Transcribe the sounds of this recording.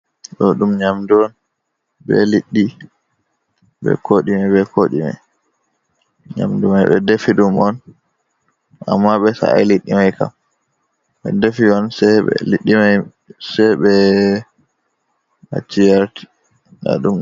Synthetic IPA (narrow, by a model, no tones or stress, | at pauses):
ɗɔɗumɲamduɔn | bɛ̰liɗːi | bɛ̰kʰoɗimabɛkʰoɗima̰j | ɲa̰mdumajɓɛdefiɗumɔn | a̰mːaɓɛsa̰a̰liɗːimajka̰m | ɓɛdefiɔnsɛɛ̰liɗːimaj | sɛɓɛ | a̰t͡ʃːijaɾti̥ | na̰ɗum